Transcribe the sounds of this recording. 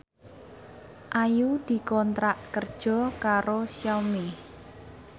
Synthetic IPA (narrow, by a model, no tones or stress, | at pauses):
ʔajud̪̥i̤kɔnt̪ɾaʔkərd̥ʒ̥ɔ̤kaɾosjawme